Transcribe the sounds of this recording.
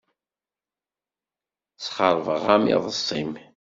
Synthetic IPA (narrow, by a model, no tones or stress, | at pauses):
t͡sχəɾˤvəʁamɪ̰ðˤəsˤːim